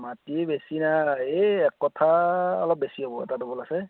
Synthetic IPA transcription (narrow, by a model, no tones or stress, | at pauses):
matibesinaeɛkːɔtʰaɔ̰lɔp̚besiɦobɔɛ̰tadobɔlasɛ